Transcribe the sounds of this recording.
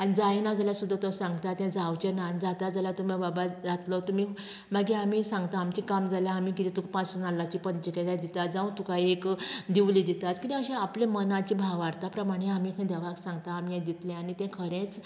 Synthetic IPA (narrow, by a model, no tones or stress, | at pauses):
anid͡zajnad͡zaljasud̪ʱːat̪ɔsãŋɡt̪at̪ːɛ̃d͡zawt͡ɕenand͡zat̪ad͡zəlat̪um̤ababad͡zat̪lɔt̪um̤i | məɡiam̤isãŋɡt̪aːmt͡ɕikamd͡zaljaamikit̪ɛ̃t̪ukpãsənalːat͡ɕipənt͡ɕiked̪ajd̪it̪at̪̚d͡zaũt̪ukʰajekd̪iʋlid̪it̪at̪kit̪ɛəɕẽaplẽmənãt͡ɕibʱaɡʋaɽt̪apɾəmaɽ̃eamikʰəĩd̪əʋaksãŋɡt̪aːmijãd̪it̪lẽaɽit̪ɛ̃kʰəɾẽt͡s